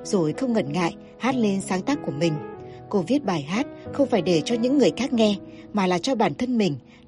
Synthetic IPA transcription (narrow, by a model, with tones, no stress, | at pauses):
zo˨˩jxə˧wŋ͡mŋə˧˩nŋa̰ː˧˨j | haː˦˥t̚le˧nsaː˨˦ŋt̪aː˦˥k̚ku˧˩əmï˨˩ŋ̟ko˧vi˦˥ət̚ɓaː˨˩jɦaː˦˥t̚xə˧wŋ͡mfaː˧˩jɗe˧˩t͡ɕɔ˧ɲɨ̰˧˥ŋːɨ˨˩əjxaː˦˥k̚ŋɛ˧ | maː˨˩laː˨˩t͡ɕɔ˧ɓaː˧˩nt̪ʰə˧nmï˨˩ŋ̟